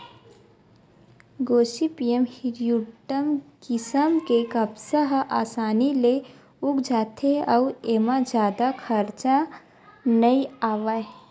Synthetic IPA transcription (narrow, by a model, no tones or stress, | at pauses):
ɡoːsipiemhiɾjuʈəmkɪsəmkekəbsəɦʔaːsaːnile | ukd͡ʒaːt̪ʰeəuemãd͡ʒjaːd̪akʰəɾt͡ʃa | nəiaːʋa